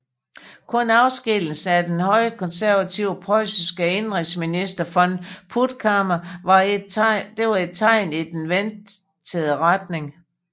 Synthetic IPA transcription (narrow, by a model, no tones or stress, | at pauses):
kʰɔ̽nɑ̈ʊsɡ̥eln̩s̩æd̥enhɒ̽ɪ̰əkʰɒ̽nsæɐʋæt͡sʰiʊpʰʁɒɪsisɡ̥əenʁeŋsminisd̥ɐfɒ̽npʰud̥kʰɑmɐ | d̥e̝ʋɑ̈e̝d̥̚t͡sʰɑ̈ɪ̰nid̥enʋen | t͡sʰəð̩ˠəʁad̥ne̝ŋ